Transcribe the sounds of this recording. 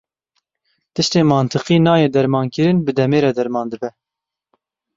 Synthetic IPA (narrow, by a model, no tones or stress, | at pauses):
t̪ɨʃt̪eːmɑːnt̪ʰɨqiːnɑːjeːd̪ɛɾmɑːnkɨɾɨnbɨd̪ɛmeːɾɛd̪ɛɾmɑːnd̪ɨbɛ